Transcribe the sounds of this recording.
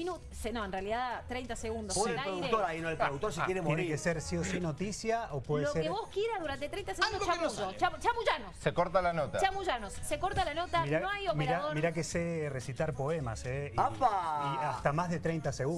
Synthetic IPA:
inu | senõenrealiðaðt̪ɾejnt̪aseɣund̪osaɾoðukt̪oɾainoelpɾoðuk̚t̪oɾsikjeɾemjenekeseɾsiosinot̪isjaopweðelossekeβoskjeɾaðuɾant̪et̪ɾejnt̪aseɣund̪ot͡ʃamuʒot͡ʃat͡ʃamuʒanosekoɾt̪alanot̪at͡ʃamuʒanosːekoɾt̪alanot̪aɾanoajopmiɾɾaoɾmiɾakeseresit̪aɾpo̞ema̰seapaiast̪amazðet̪ɾejnt̪aseɣu

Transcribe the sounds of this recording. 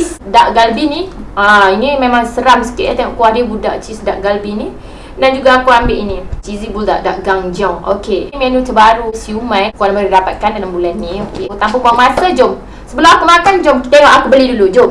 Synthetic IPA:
t͡ʃisdaʔɡalbiniainimemaŋsəɾamsə̥kiʔ̪t̪eŋɔ̰ʔkuahdibudaʔt͡ʃisdaʔɡalbini | dand͡ʒuɡaːkuambɪʔinit͡ʃizibulda̰ʔdaʔɡaŋd͡ʒawo̰kemenutəbaɾusiumajkuanmədidapat̪̚kandalambulanːioket̪ampukuaŋmasəd͡ʒɔm | səbəlaakumakand͡ʒomt̪eŋɔʔakubəlidulud͡ʒom

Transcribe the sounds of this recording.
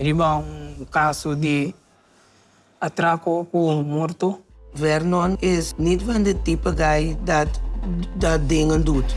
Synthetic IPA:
ɾibaũkasod̪i | at̪ɾakokumoɾt̪ovɛɾnɔnesnit̪vand̪et̪ipɐɡajd̪a | dad̪eŋɐnd̪ut̪

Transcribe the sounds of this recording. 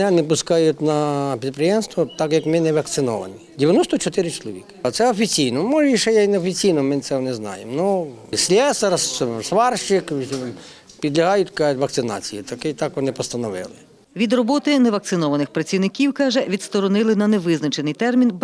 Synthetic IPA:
nɛnepʊskɑjʊt̪ʲnɐpʲid̪̚pɾɪjɛmst̪ʋɔt̪ɑkjɐkmɪnɛʋɐk̚t̪sɪnɔ̰ʋɐ̰nʲidʲɪʋʲjɐnɔst̪ɔt͡ʃɔt̪ɪɾɪt͡ʃɔlˠɔʋʲikɪ̥ɐt̪sɛɔfʲit͡sʲijnɔmɔʒɛiʃɛjaineɔfʲit͡sʲijnɔmɪnt̪sɛɔneznɑ̰jemnusʲlʲɛsɐɾssʋɑrʃɪk | pʲid̪lʲɐɦɑjʊtʲkɑt̪ʲʋɐkt̪sɪnɑ̰t͡sʲijit̪ɐkɪt̪ɑkʋɔnɪpɔst̪ɐnɔʋɪ̰lˠɪ | ʋʲid̪rɔbɔt̪ɪnɛʋɐk̚tsɪnɔʋɐnɪxpɾɐt͡sʲiwnɪkʲiwkɑʒɛʋʲid̪st̪ɔɾɔnɪlˠɪnɐneʋɪznɐt͡ʃenɪjt̪ɛrmʲinb

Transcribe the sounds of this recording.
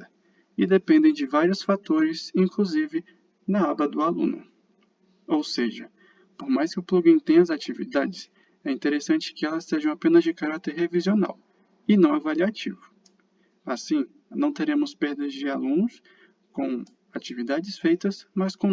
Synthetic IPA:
ɐ | ɪd̪epẽnd̪ẽj̃d͡ʒɪvaɾjʊsfat̪oɾɪsĩkluzivɪ | nɐabɐd̪ʊalṵ̃nʊ̰ | owseʒɐ | poɾmajskɪʊpluɡĩj̃t̪ẽj̃ɐzat͡ʃivḭd̪ad͡ʒɪs | ɛĩnt̪eɾesɐ̃t͡ʃɪ̥kɪɛlɐsːeʒɐ̃w̃apẽnɐzd͡ʒɪkaɾat̪eɾɦeviziona̰w | ɪnɐ̃w̃avaliat͡ʃivʊ | asĩ | nɐ̃w̃t̪eɾẽmʊspeɾd̪ɐzd͡ʒɪalũnʊs | kõw̃ | at͡ʃivid̪ad͡ʒɪsfejt̪ɐsmɐskõ

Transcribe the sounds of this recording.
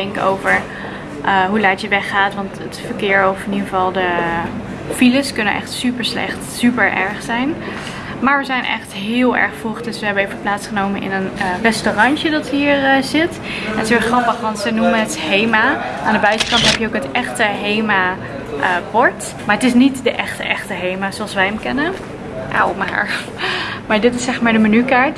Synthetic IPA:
ɛŋkəo̰wvəɹ | ʔəɦulajtjəʋɛχaːtʋɑntətfəɹkɪːɹɔfɪniχəvɑlˠdə | filəskɵnənʔɛ̰χtsypəɹslɛ̰χtsypəɹʔɛ̰ɹχsɛjn | maːɹʋəzɛjnʔɛ̰χtɦɪːlˠɛ̰ɹχfuχdɵsʋəɦɛbəevəplaːtsχənowmənʔɪ̰nənərɛstorɑnt͡ʃədɑtɦiːɹəzɪt | ɛntsəʋɪχrɑpəχɑnsənuməɦəthejmaʔaːndəbœɥtəkɑntɦɛpjəowkɦətɛχtəɦejma | ʔəpɔɹt | maɹətɪsnitdəʔɛχtəʔɛχtəɦejmaːzoɑlˠsʋɛjəmkɛnən | ʔa̰wma̰ːɹ | maːɹdɪtɪsːɛχmaːɹdəmənykaːɹt

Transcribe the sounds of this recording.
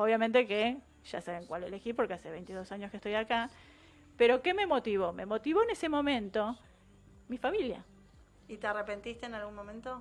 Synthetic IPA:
oβjamẽnt̪eke | ʒ̥a̰saβeŋkwalele̞xipo̞ɾkeaseβ̞ejnt̪iðo̞saɲoskest̪o̞jaka | peɾo̞keme̞mo̞t̪iβo̞me̞mo̞t̪iβo̞enesemõ̞mẽ̞nt̪o̞ | mifamilja̰ | it̪earepe̞nt̪ist̪eːnalɣunmõmẽnt̪o

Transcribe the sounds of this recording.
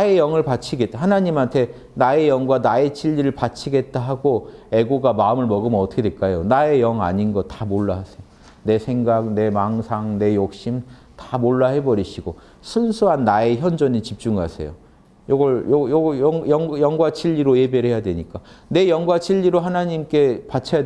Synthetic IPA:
ae̞jʌŋɯɭpat͡ɕʰiɡe̞t̚t͈ahanaɲimɦantʰe̞ | nae̞jʌŋɡwanae̞t͡ɕʰiʎːiɾɯɭpat͡ɕʰiɡe̞t̚t͈aɦaɡoe̞ɡoɡamaɯmɯɭmʌɡɯmʌt͈ʌkʰedwek͈ajonae̞jʌŋa̰ɲinɡʌtḁmoɭːaɦasʰejo | ne̞sʰe̞ŋɡak̚ne̞maŋsʰaŋne̞jok̚ɕ͈im | tḁmoɭːahe̞bʌɾiɕʰiɡo | sʰunsʰuɦanːae̞çjʌnd͡ʑʌɲit͡ɕip̚t͡ɕ͈uŋasʰe̞̰jo | joɡʌɭjjjʌŋjʌŋɡwat͡ɕʰiʎːiɾoje̞beɾhe̞jadweɲik͈ane̞jʌŋɡwat͡ɕʰiʎːiɾoɦanaɲimk͈e̞pat͡ɕʰeja

